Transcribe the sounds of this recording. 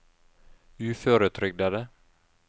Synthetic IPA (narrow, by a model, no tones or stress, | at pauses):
ʉːføːɾət̪ʰɾʏɡ̚d̪ad̪ə